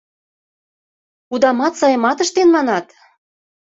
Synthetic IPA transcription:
ud̪ɑmɑt̪sɑjɤ̆mɑt̪əʃt̪enmɑnɑt̪

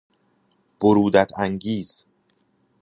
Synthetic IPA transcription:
b̥oɾuːd̪æt̪ʰæŋɡiːz̥

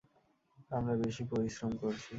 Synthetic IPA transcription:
amɾabeʃipoɾiʃɾomkoɾt͡ɕʰi

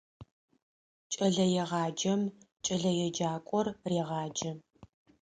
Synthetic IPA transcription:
t͡ʃʼɐɮɐjɛʁɑːd͡ʒɐm | t͡ʃʼɐɮɐjɛd͡ʒaːkʷʼɔrreːʁɑːd͡ʒɐ

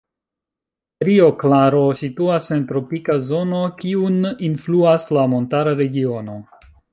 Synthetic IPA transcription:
ɾio̞klaɾo̞situase̞ntɾo̞pikazo̞no̞kiuninfluaslamo̞ntaɾaɾe̞ɡio̞no̞

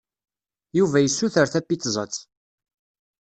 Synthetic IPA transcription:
juvæjəsːuθəɾθæpːit͡s̪ːzˤət͡sː

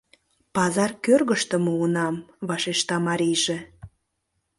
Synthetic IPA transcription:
pɑzɑrkørɣəʃt̪ə̆məunɑmβɑʃeʃt̪ɑmɑɾʲijʒe

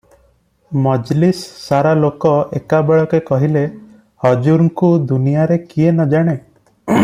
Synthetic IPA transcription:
mɔd͡ʒlissːaɾalokɔḛkabeɭɔkekɔɦile | hɔd͡ʒuɾŋkud̪unijaɾekienɔd͡ʒaɽ̃e

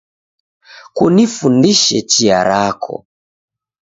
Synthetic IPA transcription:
kunifundiʃɛt͡ʃiaɾakʰɔ̰

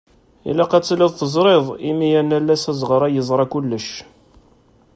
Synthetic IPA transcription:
ḭlæqæt͡sːlɪðˤθəzˤɾˤɪðˤimijænælːæsæzʁəɾˤæjəzˤɾˤɑkulːəʃ

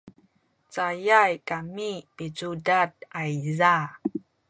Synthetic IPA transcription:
t͡sajajkamipid͡ʒudat̚ajza

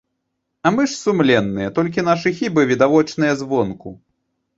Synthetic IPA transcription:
ɐmɨʂsumlʲɛnːɨjɛt̪ɔlʲk̬ʲinaʂɨxʲibɨvʲid̪avɔt͡ʂnɨjɐzvɔnku

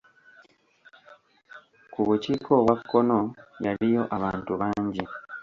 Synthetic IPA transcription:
kuβuciːkʰo̞βwakːo̞no̞jaɾijo̞ʔaβaːntuβaːɲɟi

